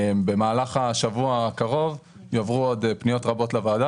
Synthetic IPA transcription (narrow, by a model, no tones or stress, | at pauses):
mbe̞maːlaχaʃavuakaʁo̞v | jovʁuodpnijo̞tʁabo̞tlavaːda